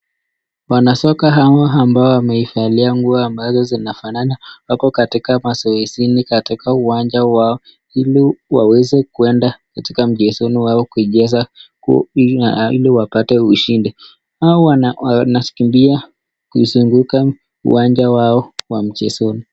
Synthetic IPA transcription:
wanasɔkaɦawaambaɔwamɛifaliaŋɡuaambazɔzinafananawapɔkatikamasɔɛsinikatikauwand͡ʒawaɔ | hiliwa̰wɛzɛkuɛndakatikam̩ʄɛsɔniwaɔkuiʄɛzak | ḭliwapatɛuʃindi | aɔwanaskimbia | kuizuŋɡuka | ṵwand͡ʒawaɔwam̩t͡ʃɛsɔni

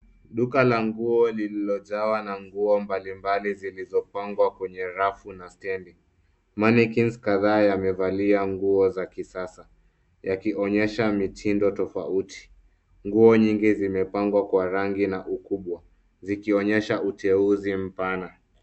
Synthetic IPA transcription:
ɗukalaŋɡuɔlililɔʄawanaŋɡuɔmbalimbalizilizɔpaŋɡwakwɛɲɛɾafunastɛndi | manikinskaðaːjamɛvaliaŋɡuɔzakisasa | jakiɔɲɛʃamitʰindɔtɔfautʰi̥ | ŋɡuɔɲiŋɡizimɛpaŋɡwakwaɾaŋɡinaʔukuɓwa | zikiɔɲɛʃautʰɛuzim̩pana

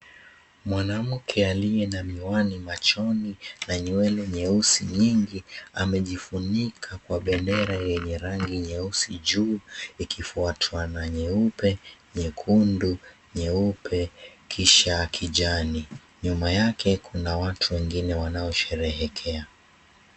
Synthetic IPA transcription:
mwanam̩kʰɛaliɛnamiwanimat͡ʃɔninaɲiwɛlɛɲɛusiɲiŋɡiamɛʄifunikʰakwaɓɛndɛɾajɛɲɛɾaŋɡiɲɛusiʄuːikʰifuatʰwanaɲɛupɛɲɛkʰundu | ɲɛupʰɛkʰiʃaːkʰiʄani | ɲumajakʰɛkʰunawatʰuwɛŋɡinɛwanaɔʃɛɾɛɦɛkʰɛa

